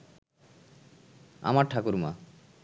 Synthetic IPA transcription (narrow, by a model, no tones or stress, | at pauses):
a̰maɾʈʰakuɾma̰